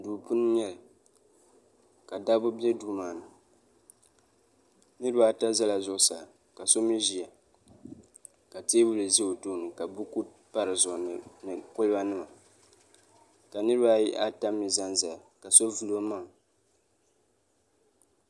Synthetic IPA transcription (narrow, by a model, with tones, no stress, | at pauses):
duː˨pu˦n˦ɲɛ˦lɨ˨ | ka˨da˦bʊ˦bjɛ˦duː˦maː˨nɨ˨ | nɨ˦ɾɨ˦ba˦ta˦za˦la˨zʊ˦ʔʊ˦sa˨ | ka˨so˦mi˦ʒi˨a˨ | ka˨teː˦wu˦lɨ˨zi˦o˨toː˦nɨ˨ka˨bu˦ku˦ | pa˦ɾɨ˨zʊ˨nɨ˨kʊ˦lɨ˦ba˦nɨ˦ma˨ | ka˨nɨ˦ɾɨ˦ba˦ji˦ʔa˦ta˦mi˨za˦nza˨ka˨so˦vu˦lo˦ma˦ŋ